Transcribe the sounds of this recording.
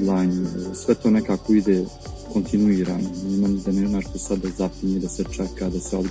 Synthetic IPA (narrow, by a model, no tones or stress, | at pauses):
lˠajnsʋɛt̪oːnɛkaːkoid̪e | ko̞nt̪inuiːɾa̰ːneemamud̪aneːmaːʃt̪oːsad̪ːazapuɲed̪aset͡ʂɛkad̪aseob